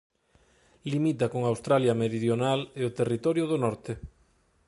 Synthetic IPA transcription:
limit̪̬akoŋawst̪ɾaljameɾiðjonaleot̪erit̪ɔɾjoðonɔɾt̪e

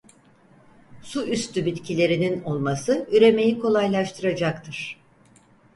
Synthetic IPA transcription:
suyst̪ʰybit̪cʰilʲe̞ɾinino̞lˠmasɯyɾe̞me̞jikʰo̞lˠajlˠaʃt̪ʰɯɾad͡ʒakt̪ʰɯɾ̥

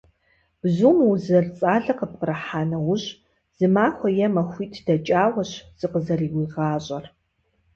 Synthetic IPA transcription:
b̥zuːmuzɐrt͡sʼaːɮɐqəp̚qərɐħaːnɐwʊɕ | z̥ɨmaːxʷɐjɛmɐxʷiːtʰd̥ɐt͡ʃʼaːwɐɕz̥ɨqəzɐriːwiʁaːɕʼɐr

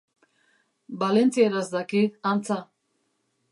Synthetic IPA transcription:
balɛnt͡sʰiɛɾasd̪akʰiant͡sʰa

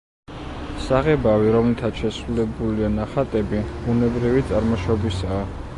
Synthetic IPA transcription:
saʁɛbaviɾɔmlit̪ʰat̪sʃɛsɾulɛbulianaχat̪ʼɛbib̥unɛbɾivit̪sʼaɾmɔʃɔbisaː

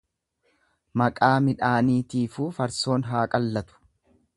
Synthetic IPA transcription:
mɐkʼaːmɪᶑaːniːt̪iːfuːfɐɾso̞ːnɦaːkʼɐlːɐt̪ʊ̥

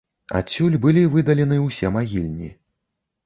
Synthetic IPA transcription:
a̰t͡sʲːulʲbɨlʲivɨd̪ɐlʲɛnɨwsʲɛmaɣʲilʲnʲḭ

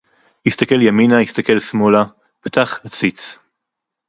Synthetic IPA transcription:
ist̪ake̞ljaminaist̪ake̞lsmola | pt̪aχhat͡sit͡s

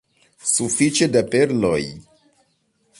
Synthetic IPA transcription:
sufit͡ʃe̞dape̞ɾlo̞j

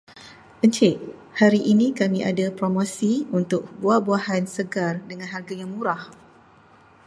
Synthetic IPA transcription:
ʔəɲt͡ʃɪʔhaɾiʔinĩkamĩʔadapɾomosiunt̪ʊk̚buahbuahansəɡardəŋãnɦarɡajaŋmũɾah

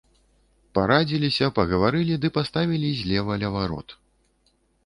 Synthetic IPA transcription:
paɾad͡zʲilʲisʲɐpɐɣɐvaɾɨlʲid̪ɨpast̪avʲilʲizʲlʲɛvɐlʲɐvaɾɔ̰t̪

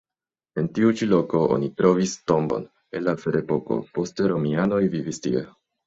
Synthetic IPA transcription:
e̞ntiut͡ʃilo̞ko̞ʔo̞̰nitɾo̞visto̞mbo̞̰n | enlafeɾepo̞ko̞̰po̞steɾo̞miano̞jvivistḭḛ

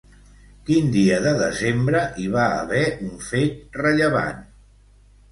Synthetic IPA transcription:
kind̪iəðəðəzembɾəʔiβ̞aə̰βɛʔuɱfet̪rəʎəβa̰n

